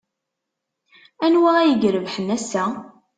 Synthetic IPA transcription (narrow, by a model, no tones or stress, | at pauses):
ænwææjəʝɾəvħənːæsæ